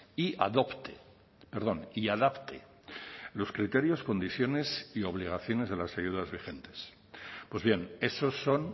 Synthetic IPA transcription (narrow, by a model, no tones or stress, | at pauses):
iʔa̰ðo̞pt̪e | peɾðo̞niaðapt̪e | lo̞skɾit̪e̞ɾjo̞sko̞nd̪iθjo̞ne̞sio̞β̞liɣ̞aθjo̞ne̞zð̞e̞lasajuðazβixe̞nt̪e̞̥s | pwe̞zβje̞ne̞so̞sːo̞n